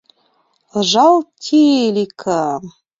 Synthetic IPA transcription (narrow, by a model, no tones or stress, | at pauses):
ʒɑlˠt̪ʲʰilʲikʰa